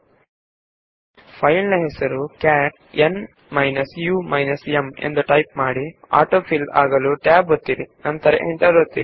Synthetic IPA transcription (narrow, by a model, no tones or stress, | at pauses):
pʰɐjlnɐɦɛsɐɾukaːʈ | ʔen | mɐjnɐsjuːmɐjnɐseme̞̰nd̪uʈɐjp̚maːɽia̰ːɾʈoːpʰila̰ːɡɐluʈaːbot̪ːiɾinɐnt̪ɐɾḛʔeɳʈɐɾot̪ːiɾi